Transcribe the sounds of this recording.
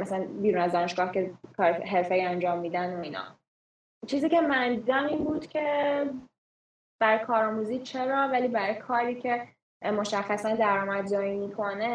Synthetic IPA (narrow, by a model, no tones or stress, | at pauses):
mæsælænbiːɾunæzd̪ɒːneʃɡɒːhce̞kʰɒːɾɦe̞ɾfeiænd͡ʒɒːmːiːd̪ænoiːnɒ̰ː | t͡ʃʰiːziːce̞mænd̪d̪iːd̪æmiːnbuːd̪̥cʲʰe̞ | b̥æɾɒjkʰɒːɾɒːmuziːt͡ʃʰe̞ɾɒːvæliːbæɾɒjkʰɒːɾiːcʰe̞ | mo̞ʃæxːæsænd̪æɾɒːmæd̪d͡ʒɒːjimiːkʰo̞ne